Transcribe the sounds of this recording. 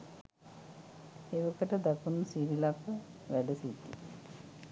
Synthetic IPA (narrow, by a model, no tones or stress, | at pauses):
eʋəkəʈəd̪akunːusiɾilakəʋæɖəsit̪ːḭ